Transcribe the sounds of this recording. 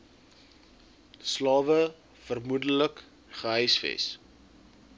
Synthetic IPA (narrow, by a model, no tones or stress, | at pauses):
slɑːvə | fərmudələk | χəɦœjsfɛ̰s